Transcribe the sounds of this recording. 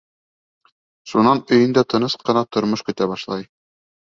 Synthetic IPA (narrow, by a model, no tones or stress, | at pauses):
ʃunɑnɵ̆jɘ̆nd̪æt̪ɤ̆nɤsqɤ̆nɑt̪ŏɾmoʃkɵ̆t̪æbɑʃlˠɑj